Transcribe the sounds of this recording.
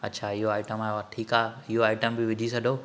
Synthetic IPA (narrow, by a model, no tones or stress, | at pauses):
ɐ̰tːʃʰaːɪɦoaːɪʈəmaːeʋaʈʰiːkaːɪɦoaːɪʈəmbɪʋɪd͡ʑʱisɐdʱoː